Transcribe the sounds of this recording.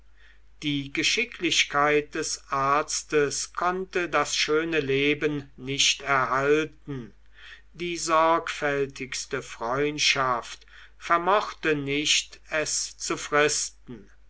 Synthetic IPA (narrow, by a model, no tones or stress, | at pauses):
d̥iːɡəʃɪkʰlɪʃkaɪt̚d̥ɛsʔaɐt͡stəskʰɔntədasʃøːnəleːbənnɪʃtɛɐɦaltn̩ | diːzɔɐkfɛltʰɪkstəfʁ̥ɔʏntʃaft | fɛɐmɔχtənɪʃtɛst͡sufʁɪstn̩